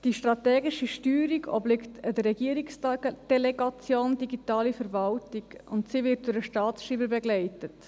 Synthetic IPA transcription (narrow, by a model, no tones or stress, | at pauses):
d̥iʃtɾɑtɛːɡɪʃiʃtyːɾiɡɔ̰blɪktədərːɛɡiːɾiksd̥ɛlɛɡɑt͡sjoːndiɡitɑːlifəɾvɑltiɡʊntsiːʋɪt̚d̥ʊɾəʃtɑːtsʃiːbəɾbɛɡlɛɪtət